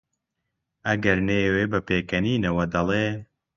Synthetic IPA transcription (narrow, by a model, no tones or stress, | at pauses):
ɐɡɐɾneːweːbɐpeːkɐniːnɐwɐd̪ɐlˠeː